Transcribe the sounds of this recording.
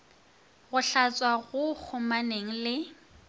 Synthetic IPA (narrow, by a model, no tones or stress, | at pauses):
ɣʊɬat͡sʼwaɣʊk͡xʰʊmaneŋ̩lɪ